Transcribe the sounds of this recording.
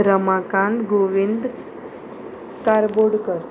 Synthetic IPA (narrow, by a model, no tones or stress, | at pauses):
ɾəmakãnd̪ɡoʋind̪ | kaɾboɽkəɾ